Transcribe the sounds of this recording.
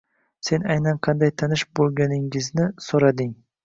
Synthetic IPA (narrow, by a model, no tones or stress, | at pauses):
se̞najnanqʰɑnd̪ajt̪ʰanɪʃbolˠɡʲanɪŋɪznɪsoɾad̪ɪŋ